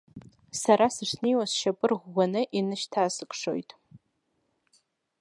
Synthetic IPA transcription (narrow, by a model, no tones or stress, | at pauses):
saɾasɨʂniwasʃapʼɨrʁʷːanɨʔinɨʃtʰaːsɨkʷʼʂo̰jtʼ